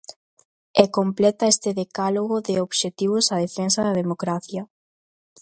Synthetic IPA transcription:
ɛkomplɛt̪ɐest̪ɪðekaloɣoðɪoβʃet̪iβ̞ʊsaðefensɐðɐðemokɾaθjɐ

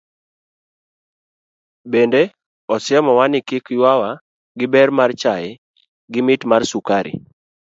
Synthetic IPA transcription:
bende | ɔsjɛmɔwanɪkɪkjwawa | ɡɪbɛrmart͡ʃajɛ | ɡɪmɪtmarsukaɾɪ̰

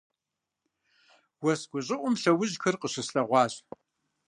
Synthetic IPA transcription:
wɐsɡ̥ʷʊɕʼɪʔʷʊmɬɐwʊʑxɨrqəɕɐsɬɐʁʷɑːɕ

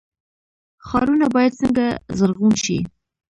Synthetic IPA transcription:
xɑɾunabɑjad̪̚səŋɡazəɾɣunʃḭ

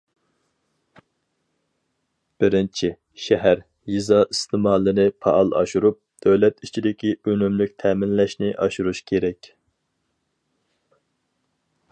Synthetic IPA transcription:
b̥ɪɾɪnt͡ʃʰɪ | ʃɛɦæɾ | jizɑist̪ʰɨmɑːlˠɨnɪpʰɑ̰ʔːlˠɑ̰ʃuɾup̚d̪̥øwlɛt̪it͡ʃʰid̪ɪkʲʰiønymlykʲt̪ʰɛːmɪnlɛʃnɪʔɑʃuɾuʃkʲʰeɾɛkʲ

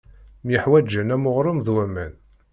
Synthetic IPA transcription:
mjəħwæd͡ʒːənæmoʁɾˤəmðwæmæn

